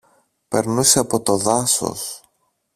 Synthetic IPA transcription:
pe̞ɾnuseɐpo̞t̪o̞ðɐso̞̰s

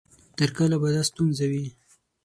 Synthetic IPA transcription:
t̪əɾkəlabad̪ast̪unzawi

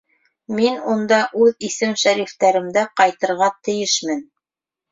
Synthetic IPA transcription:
minund̪ɑʔʉðisɘmʃæɾift̪æɾɘ̆md̪æqɑjt̪ɤ̆ɾʁɑt̪ɘ̆jɘʃmɘn

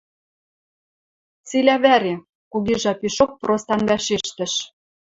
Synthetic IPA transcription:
t͡silʲæβæɾe | kuɣiʒɑpiʃok̚prost̪ɑnβæʃeʃt̪ə̆ʃ

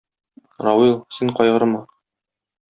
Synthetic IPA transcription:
ɾɑwilˠsiɴqɒjʁɤ̆ɾɤmɑ

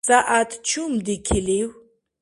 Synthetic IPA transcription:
saʔat̪t͡ʃʰumd̪ikʰiliw

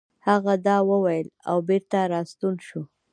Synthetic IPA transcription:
haɣad̪ɑwəwajəla̰wbeɾt̪aɾɑst̪unʃu

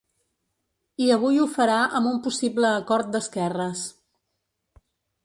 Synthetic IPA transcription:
iəβ̞ujufəɾaʔəmumpusibləːkɔɾt̪̚d̪əskɛrəs

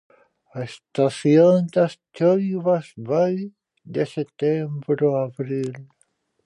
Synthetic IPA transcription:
aest̪aθjond̪ast͡ʃojβasβaj | d̪eset̪embɾoaβɾil

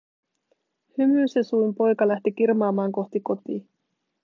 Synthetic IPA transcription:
hymyːsesujmpo̞jkɑlæht̪ikirmɑːmɑːŋko̞ht̪iko̞t̪iː

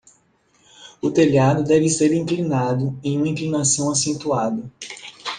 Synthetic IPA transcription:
ʊt̪eljad̪ʊd̪ɛvɪseɾĩŋklinad̪ʊẽj̃ũmɐĩklinasɐ̃w̃asẽnt̪uad̪ɐ

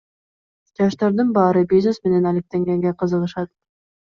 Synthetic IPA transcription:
d͡ʒɑʃt̪ɑɾd̪ɯnbɑːɾɯbʲiznesmene̞nælek̚t̪eŋɡeŋɡeqɯzɯlˠɯʃɑt̪̚

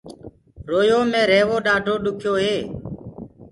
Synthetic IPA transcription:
ɾoːjoːmẽːɾeːʋoːɗaːɖʱoːɗʊkʰjoːɦeː

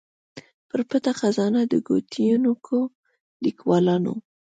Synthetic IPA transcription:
pəɾpət̪axazɑnad̪əɡot̪ʰijunukʰo | likwɑlɑno̰

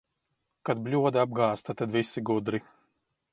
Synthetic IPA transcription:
kad̪̚blʲuɔd̪ɐab̚ɡaːst̪at̪ad̪vʲisiɡud̪ɾi

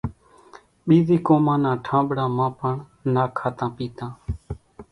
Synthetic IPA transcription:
ɓiːziːkoːmãːnãːʈʰãːɓɽaːmãːpəɳ | naːkʰaːt̪ãːpiːt̪ãː

